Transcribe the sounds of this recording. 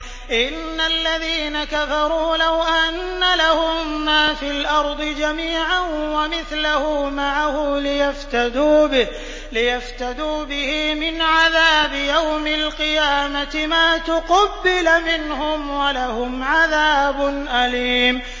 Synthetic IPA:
ʔɪnːalːaðiːnakafɑɾˤuːlawʔanːalahʊmːaːfiːlʔɑɾˤd̪ˤɨd͡ʒamiːʕanwamɪθlahʊmaʕahʊlɪjaft̪ad̪uːbɪ | lɪjaft̪ad̪uːbɪhɪmɪnʕaðaːbɪjawmalqɨjaːmat̪ɪmaːt̪ʊqɑbːɪlmɪnhʊmwalahʊmʕaðaːbʊnʔaliːm

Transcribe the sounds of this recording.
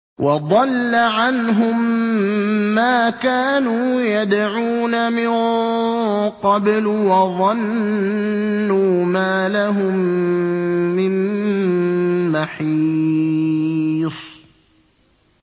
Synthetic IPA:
wʔɑd̪ˤɑlːaʕanɦʊmː | aːkaːnuːjad̪ʕuːnamɪn | qɑbl | wɑðˤɑn | uːmaːlaɦʊmmː | ɪn | aħi | sˤ

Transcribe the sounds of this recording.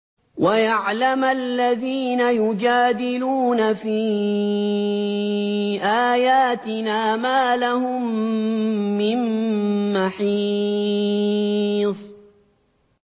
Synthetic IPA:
wajaʕlamalːaðiːnajʊd͡ʒaːd̪ɪluːnafiː | ʔaːjaːt̪ɪnaːmaːlahʊmː | ɪmː | aħiː | sˤ

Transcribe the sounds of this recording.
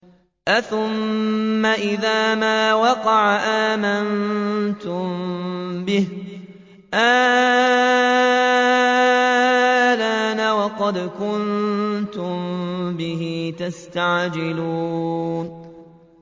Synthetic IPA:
ʔaθʊmːaʔɪðaːmaːwɑqɑʕaʔaːmant̪ʊmbɪh | ʔaː | laːnawɑqɑd̪kʊnt̪ʊmbɪɦiːt̪ast̪aʕd͡ʒɪluːn

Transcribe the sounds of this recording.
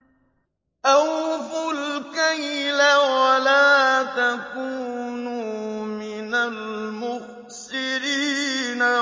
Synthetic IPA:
ʔawfulkaɲilɛwalaːtakuːnuminalmʊ | siɾiːna

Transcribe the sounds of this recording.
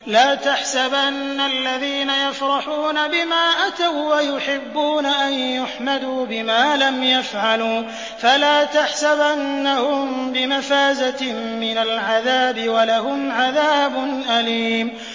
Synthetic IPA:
laːt̪aħsabʔanːalːaðiːnajafɾˤɑħuːnabɪmaːʔat̪awwajʊħɪbːuːnaʔanjʊħmad̪uːbɪmaːlamjafʕaluː | falaːt̪aħsabʔanːahʊmbɪmafaːzaːɪnalʕaðaːbɪwalahʊmʕaðaːbʊnʔaliːm

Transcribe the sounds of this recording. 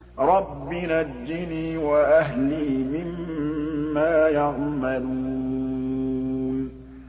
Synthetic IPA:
ɾˤɑbːinad͡ʒːɪniːwaʔaɦliːmɪmː | aːjaʕmalu | n

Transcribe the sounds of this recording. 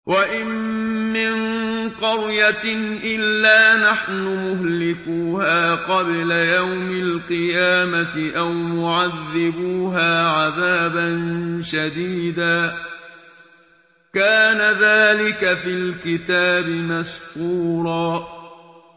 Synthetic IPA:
waʔɪmːɪnqɑɾjat̪ɪnʔɪlːaːnaħnʊmʊhlɪkuːhaːqɑblajawmalqɨjaːmat̪ɪʔawmʊʕaðːɪbuːɦaːʕaðaːbanʃad̪iːd̪aː | kaːnaðaːlɪkafɪlkɪt̪aːbɪmaskuːɾˤɑː

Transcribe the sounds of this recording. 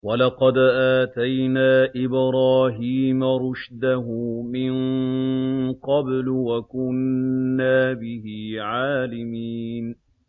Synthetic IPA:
walɑqɑd̪ʔaːt̪ajnaːʔɪbɾaːɦiːmaɾˤʊʃd̪aɦʊmɪn | qɑblwakʊnːaːbɪhiːʕaːlɪmiːn

